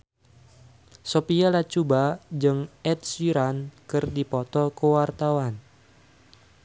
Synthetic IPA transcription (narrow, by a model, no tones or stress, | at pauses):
sopialat͡ʃubad͡ʒɨŋɛt̪̚siɾankɨrdipɔt̪ɔkəwart̪awan